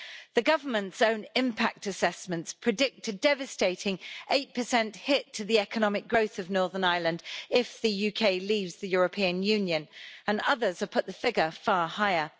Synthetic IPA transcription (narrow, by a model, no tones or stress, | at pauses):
ðəɡʌvəmə̃ntsə̃ʊ̃nɪ̃mpʰak̚təsɛsmə̃ntspʰɹ̥ɨdɪk̚tʰɨdɛvəsteɪtɪ̃ŋʔeɪt̚pʰəsɛ̃nthɪtʰəðiɛkənɒmɪk̚ɡ̥ɹəʊθəvnɔːðənaɪlə̃ndɪfðəjʉːkʰeɪliːvzðəjɔːɹəpʰĩə̃njʉ̃njə̃nə̃nʌðəz̥ə̥pʰʊʔ̪̚ðəfɪɡəfɑːhaɪə